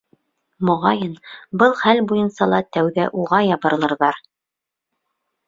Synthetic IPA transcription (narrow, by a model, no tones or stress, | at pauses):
mŏʁɑjɤnbɤlˠχælbujɤnsɑlˠɑt̪æwðæʔuʁɑjɑbɤ̆ɾlˠɤ̆ɾðɑɾ